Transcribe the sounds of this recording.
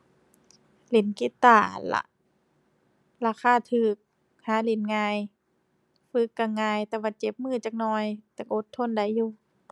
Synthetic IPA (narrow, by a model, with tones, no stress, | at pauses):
le˨˦nki˧˦t̪ːaː˧˩˨la̰˧ʔ | laː˧kʰaː˧˥˨t̪ʰɯː˧˩k̚ | haː˨˦le˨˦nŋaː˧j | fɯ˧˦kːa˧ŋaː˧˨jt̪ɛː˧waː˧˩t͡ɕe˧˦p̚mɯː˧˥˨t͡ɕaː˧k̚nɔː˧˩jt̪ɛ˧kʔo˧˦t̪ʰːo˧˥˨nda˧˨˦jːuː˧˨